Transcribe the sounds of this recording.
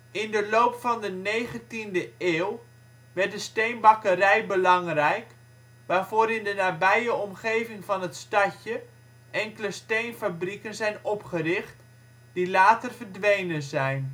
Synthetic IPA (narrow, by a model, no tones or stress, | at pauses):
ɪndəloːpfɑndəneːχəntindəeːw | ʋɛrt̚dəstejnbɑkərɛjbəlɑŋrɛjk | ʋaːrvoːɾɪndənaːbɛjəɔmχejvɪŋfɑnətstɑcə | ʔɛŋkələstejnfabrikənzɛjnɔpχərɪχt | d̥ilaːtərvərdʋejnənzɛjn